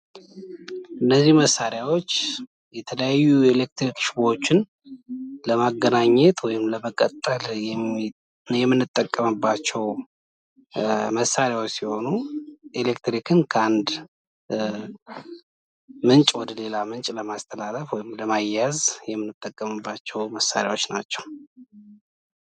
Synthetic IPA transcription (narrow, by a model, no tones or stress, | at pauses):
ʔɨnːəzːihməsaɾjawo̞t͡ʃː | jɛt̪ʰələjajːuelek̚t̪ɾikʃbo̞t͡ʃːɪn | ləmaɡːənaɲːɛt̪wɔjɪmləməkʼət̪ʼːəljɛm | jɛmːɨnːɨt̪ʼːəkʼːəmɨbːat͡ʃːɛw | məsaɾjawot͡ʃsiho̞nuʔelekt̪ɾikʰɨnkʰəand̪ | mɨnt͡ʃʼwɔd̪əle̞lamɨnt͡ʃʼləmast̪ʰəlaləfwɔjɪmləmajazjɛmːɨnːɨt̪ʼːəkʼːəmɨbːat͡ʃːɛwməsːa̰ɾja̰wo̞t͡ʃːna̰t͡ʃːɛ̥w